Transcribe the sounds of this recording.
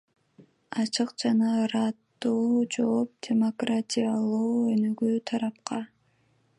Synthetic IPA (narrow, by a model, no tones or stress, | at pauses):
ɑt͡ʃʰɯqd͡ʒɑnɑɾɑt̪ːuːd͡ʒop̚dʲemo̞kratʲijalˠuːønøɡyːt̪ʰɑɾɑp̚qɑ